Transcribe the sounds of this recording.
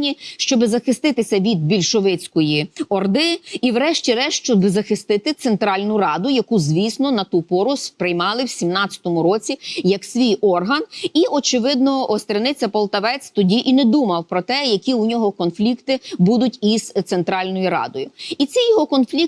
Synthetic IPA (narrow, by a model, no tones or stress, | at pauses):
nʲiʃt͡ʃɔbɪzɐxɪst̪ɪt̪ɪsʲɐʋʲid̪̚bʲilʲʃɔʋɪt͡sʲkɔjiɔrd̪ɪiwɾɛʃtʲiɾɛʃt͡ʃɔbzɐxɪst̪ɪt̪ɪt̪sent̪ɾɑlʲnʊrɑd̪ʊjɐkuzʲʋʲisnɔnɐt̪upɔɾʊspɾɪjmɑlˠɪwsʲimnɑt͡sʲɐ̥t̪ɔmʊɾɔt͡sʲijɐksʲʋʲijɔrɦɐniʔɔt͡ʃɪʋɪd̪̚nɔɔst̪ɾʲenɪt͡sʲːɐpɐlˠt̪ɐʋɛt͡sʲt̪ɔdʲiʔinɛd̪umɐwpɾɔt̪ɛjɐkʲiunʲɔɦɔkɔnflʲikt̪ɪbud̪ʊtʲizt̪sent̪ɾɑlʲnɔjiɾɑ̰d̪ɔjʊit͡sʲɛjɔɦɔkɔnflʲik